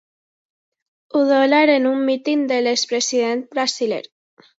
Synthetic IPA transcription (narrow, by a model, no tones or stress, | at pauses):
uðolaɾenumːit̪ind̪elekspɾesiðent̪̚bɾasilḛɾ